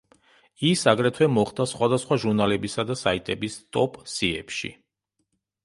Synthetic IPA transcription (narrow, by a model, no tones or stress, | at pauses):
isaɡɾɛt̪ʰwɛmɔχd̪asχwad̪asχwaʒuɾnalɛbisad̪asait̪ʼɛbist̪ʼɔpʼsiɛ̰pʃḭ